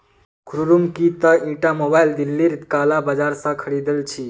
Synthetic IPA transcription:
kʰɾuɾumkit̪əĩʈamobaild̪ilːiɾit̪kalabad͡ʒaɾsə̃kʰəɽid̪əlt͡ʃʰi

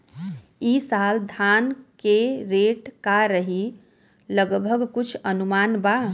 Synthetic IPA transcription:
isald̪ʱankeɾeʈkaɾəɦi | ləɡbʱəɡkut͡ʃʰənumanba

